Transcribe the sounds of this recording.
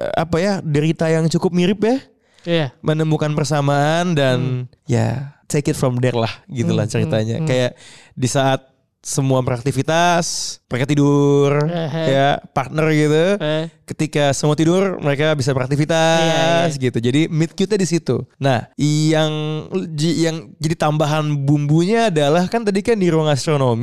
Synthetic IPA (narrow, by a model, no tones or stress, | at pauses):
a̰pajadəɾit̪ajaŋt͡ʃukʊp̚miɾɪpjah | mənəmukanpərsamaʔandan | ja̰t̪ekɪt̪fɾɔmdɛrlahɡit̪ula̰ht͡ʃəɾit̪aɲa̰kajaʔ | disaʔːt̪̚ | səmuapəɾak̚t̪ifit̪asməɾekat̪idʊrkajaʔpart̪̚nərɡit̪ukət̪ikasəmuat̪idʊrməɾekabis̬apəɾakt̪ifit̪as̬ɡit̪ud͡ʒadimɪt̪̚kjut̪̚ɲadisit̪ṵnahjaŋd͡ʒijaŋd͡ʒadit̪ambaɦanbumbuɲaːdalahkant̪adikandiɾuaŋast̪ɾonomi